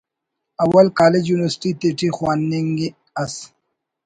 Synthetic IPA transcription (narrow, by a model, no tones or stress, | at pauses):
ɐwɐlkaːled͡ʑjuːniwɐɾsʈit̪eʈixwaːnːiŋɡi | ɐs